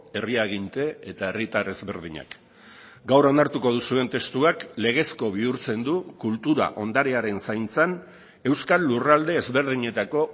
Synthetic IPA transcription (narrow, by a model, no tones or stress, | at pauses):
e̞riaɣint̪e̞et̪ae̞rit̪are̞zβe̞ɾð̞iɲa̰k | ɡawro̞naɾt̪uko̞ð̞usue̞nt̪e̞st̪uakle̞ɣ̞e̞sko̞β̞iuɾt͡se̞nd̪ukult̪uɾa̰ʔo̞nd̪aɾe̞aɾe̞nsajnt͡san | e̞wskalːurald̪e̞ːzβe̞ɾðiɲe̞t̪ako̞